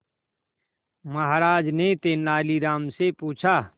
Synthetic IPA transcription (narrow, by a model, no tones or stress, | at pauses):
məɦaɾaːd͡ʒnet̪eːnaːliɾaːmsepuːt͡ʃʰaː